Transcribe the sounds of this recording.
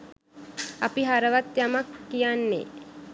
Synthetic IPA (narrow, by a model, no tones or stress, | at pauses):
ɐpiɦaɾəʋat̪jamakːijanːḛ